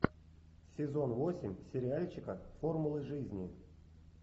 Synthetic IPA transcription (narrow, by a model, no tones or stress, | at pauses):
sʲɪzo̞nvo̞sʲɪmʲsʲɪɾʲɪalʲt͡ɕɪkəfo̞rmʊlˠɨʐɨzʲnʲɪ